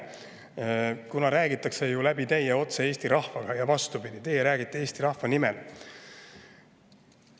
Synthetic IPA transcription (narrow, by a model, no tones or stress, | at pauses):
kunɑɾæːɡit̪ːˑɑkse̞julæbit̪e̞jeo̞t̪see̞ːst̪iɾɑhvɑɡ̥ɑjɑvɑst̪upid̪̥it̪e̞jeɾæːɡit̪ːe̞eːst̪iɾɑhvɑnimɛl